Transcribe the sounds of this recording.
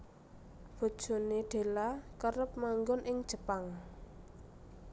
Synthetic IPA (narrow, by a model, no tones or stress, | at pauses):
b̥o̤̥ʒ̥o̤neɖ̪̥e̤lakəɾəp̚maŋɡɔnʔɪŋd̥ʒ̥ə̤paŋ